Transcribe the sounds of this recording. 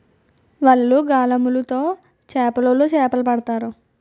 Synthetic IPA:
ʋɐɭːuɡaːlɐmulut̪o̞ː | t͡ʃɛːpɐlolot͡ʃɛːpɐlɐpɐɽɐt̪aːɾu

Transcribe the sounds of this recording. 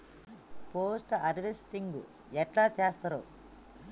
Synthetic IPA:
poːsʈɐɾʋesʈiŋɡṵ | ɛʈlaːt͡ʃeːst̪ɐɾo̰ː

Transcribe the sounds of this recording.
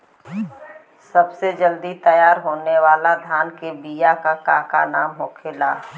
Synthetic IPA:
səbsed͡ʒəld̪it̪əjaːɾɦoːneʋaːlad̪ʱaːnkebijakakaːka̰naːmɦoːkʰeːlaː

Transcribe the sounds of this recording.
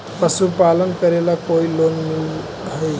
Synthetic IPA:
pəsupalənkəɾelakoilonmil | ɦəj

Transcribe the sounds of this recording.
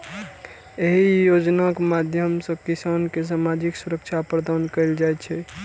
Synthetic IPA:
eɦijod͡ʒnakemad̪ʱjəmsə̃kisankes̬amad͡ʒiksuɾək̚t͡ʃʰapɾəd̪ankəɪld͡ʒajt͡ʃʰɛ

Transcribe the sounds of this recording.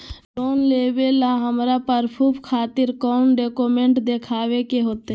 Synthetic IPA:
loːnleːʋelãɦəmɾapəɾpʰupkʰaːt̪ɪɾkɔːnɖeːkoːmẽɳʈd̪ekʰaːʋekeɦoːt̪e

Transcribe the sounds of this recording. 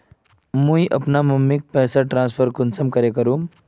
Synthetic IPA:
mũjʔə̰pnaməmːik̚pɛːsaʈɾãnspʰəɾkunsəmkəɾekəɾum

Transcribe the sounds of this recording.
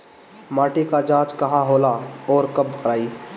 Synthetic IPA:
maːʈikad͡ʒãːt͡ʃkɐɦãɦoːlaɔːɾkəbkəɾaːiː

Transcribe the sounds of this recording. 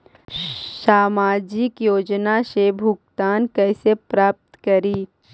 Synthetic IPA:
saːmaːd͡ʒɪkjoːd͡ʒnaʃeːbʱʊkt̪aːnkɛːɪsepɾaːp̚t̪kɐɾiː

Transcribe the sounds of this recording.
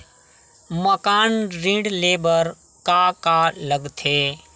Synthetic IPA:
məkaːnɾĩːɖleːbəɾ | kaːkaːləɡt̪ʰeː

